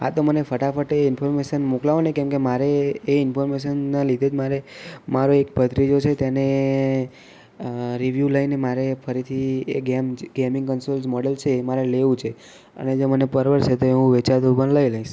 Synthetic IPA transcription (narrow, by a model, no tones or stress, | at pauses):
ɦa̰t̪omənefəʈafəʈeɪnfʰɔɾmeʃənmuklaʋonekɛ̃mkemaɾeːɪnfɔɾmeʃənːalid̪ʱed͡ʒmaɾemaɾoekbʱəd̪ɾid͡ʒot͡ʃʰet̪jane | ɾiʋjuləinemaɾefʰəɾit̪ʰieɡemɡemɪ̃ŋɡkənsolsmɔɽəlt͡ʃʰemaɾeleʋũt͡ʃʰe | ə̰ned͡ʒomənepəɾʋəɾt͡ʃʰet̪oeɦũʋet͡ʃad̪ubənləiləiʃ